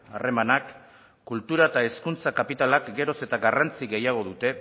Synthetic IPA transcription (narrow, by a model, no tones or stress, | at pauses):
are̞manakː | ult̪uɾaet̪aeskunt͡sakapit̪alakɡe̞ɾo̞se̞t̪aɣarant͡siɣe̞jaɣ̞o̞ðut̪e̞